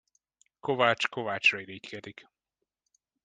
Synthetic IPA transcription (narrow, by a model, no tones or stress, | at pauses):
kovaːt͡ʃkovaːt͡ʃrɒiɾiːc̪kɛd̪ik